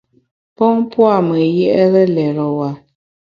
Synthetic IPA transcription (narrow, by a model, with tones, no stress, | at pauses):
pɔ˦ŋpwa˦˨mə˨jɛ˦ʔɛ˦ɣɛ˦lɛ˨ɣɔ˨wa˨